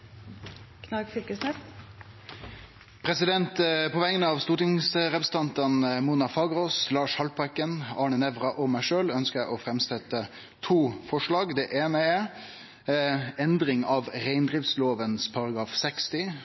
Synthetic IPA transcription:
kʰnɑɡfʏkəsnɛs | pʰɾɛsɪd̪ɛnt̪pʰɔʋæɪjənəɑʋst̪uːʈɪŋsɾɛpɾɛsənʰɑnt̪ɑnmuːnɑfɑːɡɾoːslɑːʂhɑlpɑkənɑːɳənɛʋɾɑʔɔmæɪʂøːlœnskəæɪʔɔfɾɛmsɛt̪ːə | t̪ʰuːfɔʂɭɑːɡd̪ɛʔeːnəɛ | ɛnd̪ɾɪŋɑʋɾæɪnd̪ɾɪft̪sloːʋənspʰɑɾɑɡɾɑːfsɛkst̪ɪ

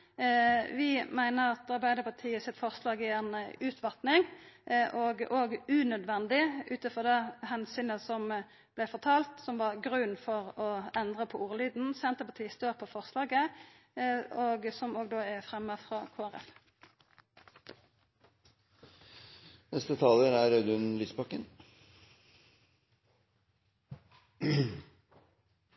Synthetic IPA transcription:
ʋɪmæɪnəʁɑt̪ɑɾbæɪd̪əpʰɑt̪ʰiːəsɪt̪fɔʁslɑːɡɪjæʁnəʉːt̪ʰʋɑt̪nɪŋʔɔɡʔoːɡʉnœd̪ʋɛnd̪ɪʉːt̪əfɔʁd̪ɛhɛnsyːnəsɔm | b̥læɪfɔʁt̪ʰɑːlt̪sɔmʋɑʁɡɾʉnfɔʁɔɛnd̪ʁəpʰɔuːʁəlyːd̪n̩sɛnt̪əpʰɑt̪ʰiːəst̪øːʁpʰɔfɔʁslɑːɡə | oːɡsɔmoːɡd̪oːæfʁɛmːəfʁɑːkʰoːæʁɛ̰f | nɛst̪ət̪ʰɑːləɾæɾœd̪ʉnlyːspɑkːən

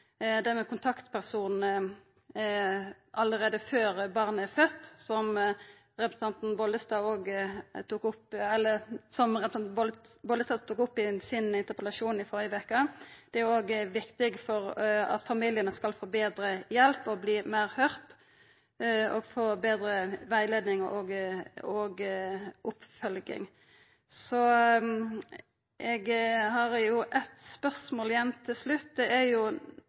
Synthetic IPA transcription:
d̪ɛmɛkʰʊnt̪ʰɑkt̪pʰæʁsuːnn̩ə | ʔɑləʁeːd̪əføːɾbɑʁnəæɾfœt̪ːsɔm | ʁɛpɾsɑnt̪n̩bɔlːəst̪ɑoːɡt̪uːkʊpɛlːəsɔmʁɛpɑnb̪bɔləst̪ɑːt̪uːkʊpːɪsɪnɪnt̪əʁpəlɑʃuːnɪfɔʁjəʋɛkːəd̪̥ɛæɾjʊoːɡʋɪkt̪ɪɡfɔʁɑ̰t̪fɑmiljənəskɑlfoːbeːd̪ɾəjɛlpɔbliːmæɪʁhœɾt̪ | ɔɡfoːbeːd̪ɾəʋæɪleːd̪nɪŋʔɔɡɔɡ | ʊpfœlɡɪ̰ŋ | sɔ | ʔɛɡhɑɾjʊʔɛt̪spœʁsmoːljɛmt̪ʰːɪlslʉt̪d̪ɛʔæɾjʊ

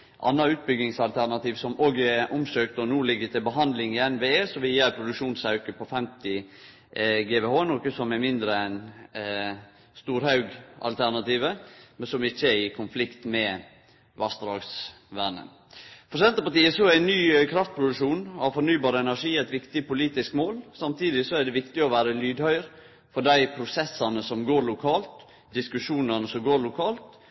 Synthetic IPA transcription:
ʔɑ̰nːɑʉːt̪̚bʏɡɪŋsɑlt̪ʰæɾnɑt̪iːʋsɔmoːɡʔʊmsøːkt̪ɔnuːlɪɡːət̪ʰɪlbəɦɑnd̪lɪŋɪɛnʋeːeːsɔʋɪjeːɾpʰɾʊd̪ʉkʂuːnsɑʉkəpʰɔfɛmt̪ɪ | ɡeːʋehoːnɔkəsɔmɛmɪnd̪ɾəɛn | st̪uːɾhɑʉɡɑ̰lt̪ʰæɾnɑt̪iːʋəmɛnsɔmɪçːəɪkʰʊnflɪkt̪mɛ | ʋɑst̪ɾɑːɡs | ʋænə̰n | fɔɾsɛnt̪əpɑʈt̪iːəsɔæɪnnyːœʏkʰɾɑft̪̚pʰɾʊd̪ʉʂuːnɑʋfɔɾnyːbɑːɾəɛnæʂiːæt̪ʋɪkt̪ɪpʊliːt̪ɪskmoːlsɑmt̪ʰiːd̪ɪsɔæɖɛʋɪkt̪ɪɔʋæːɾəlyːd̪hœʏəɾ | fɔɖæɪpʰɾʊsɛsːɑnəsɔmɡoːɾlʊkʰɑːlt̪ | d̪ɪskʉʂuːnənəsɔɡoːɾlʊkʰɑːlt̪

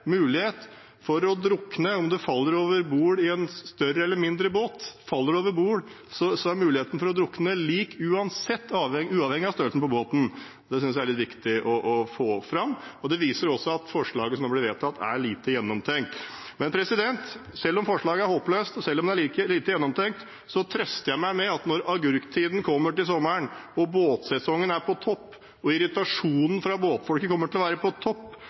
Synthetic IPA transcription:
mʉːlɪheːt̪ | fɔɾɔd̪ɾʊkːnəɔmd̪ɛfɑlːəɾoːʋəɾbuːɽɪɛnst̪œrəɛlːəɾmɪnd̪ɾəboːt̪fɑlːəɖɛoːʋəɾbuːɽ | sɔsɔæɾmʉːlɪheːt̪n̩fɔɾɔd̪ɾʊkːnəliːkʉːɑnsɛt̪ʰːɑːʋɛŋʉːɑʋhɛŋɪɑst̪øɾəlsnəpɔboːt̪n̩ | d̪ɛsʏnsjæælɭɪt̪ʋɪkt̪ɪʔɔʔɔfoːfɾɑmːɔd̪ɛʋiːsəɾɔsɔɑt̪fɔʂɭɑːɡəsɔmd̪ɛblɪɾʋeːt̪ʰɑt̪ːæ̰ɭiːt̪əjɛnːɔmt̪ʰɛŋkt̪ | mɛnpʰɾɛsɪd̪ɛnt̪ | sɛlːɔmfɔʂɭɑːɡəæɾhoːpløːst̪ɔsɛlːɔmd̪ɛæɭiːkəɭiːt̪əjɛnːɔmt̪ʰɛŋkt̪ | sɔt̪ʰɾɛst̪əjæɪmæɪmɛɑt̪nɔɾɑɡʉɾkt̪ʰːiːd̪n̩kʰɔmːəʈɪls̬ɔmːəɳɔboːt̪sɛsɔŋːənæɾpʰɔt̪ʰɔpː | ɔɪɾɪt̪ɑʂuːnən̩fɾɑboːt̪fɔlkəkʰɔmːəʈʰɪlɔʋæːɾəpʰɔt̪ʰɔpː

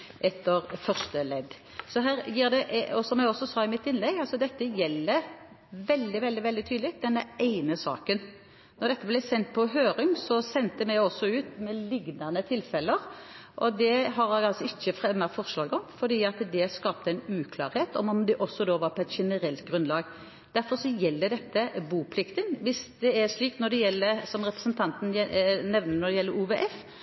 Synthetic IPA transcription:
ʔɛt̪ːəɾfœʁʂt̪əlɛd̪ | sɔɦæːʁjiːʁd̪ɛʔɔsɔmjæɪɔsɔsɑːɪmɪt̪ːɪnlɛɡɑlsɔd̪ɛt̪ːəjɛlːə | ʋɛld̪ɪʋɛld̪ɪʋɛld̪ɪt̪ʰyːd̪lɪd̪ɛnːəæɪnəsɑ̰ːkən | nɔʁd̪ɛt̪ːəblɛsɛnt̪̚pʰɔɦøːɾɪŋsɔsɛnt̪əmɛɪɔsːɔʉːt̪mɛlɪɡnɑnət̪ʰɪlfɛlːəɾʔɔd̪ɛɦɑɾɑɑlsɔɪçːəfʁɛmːɑfɔɾʂlɑːɡɔmfɔɖ̪iːɑt̪d̪ɛskɑːpt̪əæɪnʉːkʰlɑ̰ːɾheːt̪ɔmɔmd̪ɛʔɔsːɔd̪oːʋɑɾpʰɔɛt̪ʃɛnəɾɛlt̪ɡɾʉnlɑːɡ | d̪̥æɾfɔɾsɔjɛlːəd̪ɛt̪ːəbuːpʰlɪkt̪ənʋɪsd̪ɛɛʂliːkt̪nɔd̪ɛjɛlːəɾsɔmʁɛpɾəsənt̪ʰɑnt̪n̩nɛʋnənɔɾd̪ɛjɛlːəɾuːʋeːʔɛf

